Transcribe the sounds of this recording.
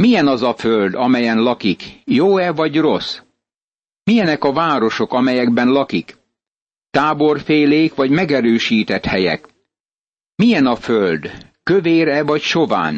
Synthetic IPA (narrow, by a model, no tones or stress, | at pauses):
mijɛnɒzɒføld̪ɒmɛjɛnlɒkikjoːɛvɒɟro̞s | mijɛnɛkɒvaːɾo̞ʃo̞kɒmɛjɛɡbɛnlɒkik | t̪aːbo̞rfeːleːkʋɒɟmɛɡɛɾøːʃiːt̪ɛt̪hɛjɛ̰k | mijɛnɒføld̪ | køveːɾɛvɒcʃo̞va̰ːn